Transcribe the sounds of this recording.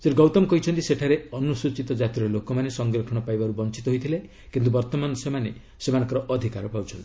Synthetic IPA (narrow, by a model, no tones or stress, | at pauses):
seʈuɡɔwt̪ɔmkɔɦit͡ʃʰɔnt̪iseʈʰaɾeɔnusut͡ʃit̪ɔd͡ʒat̪iɾɔlokɔmanesɔŋɡɾɔkʰɔɽ̃ɔpajbaɾubɔnt͡ʃit̪ɔɦojt̪ʰile | kint̪̬ubɔɾt̪ɔmanɔsemane | semañɔŋkɔɾɔʔɔd̪ʱikaɾɔpawt͡ʃʰɔnt̪ii̥